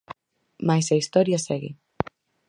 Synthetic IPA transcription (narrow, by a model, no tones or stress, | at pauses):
majsɐist̪ɔɾjɐsɛɣḭ